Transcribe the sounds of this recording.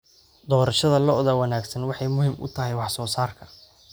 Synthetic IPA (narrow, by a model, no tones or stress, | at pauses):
d̪ɔːɾɐʃɐðɐlɔʔðɐwɐnaːɡsɐnwɑħɑjmʊhiːmʔʊ̰t̪ʰɐɦɛjwɑħsɔːsaːrkʰɐ